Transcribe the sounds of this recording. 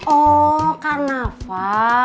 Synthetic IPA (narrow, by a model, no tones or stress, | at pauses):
okarnafa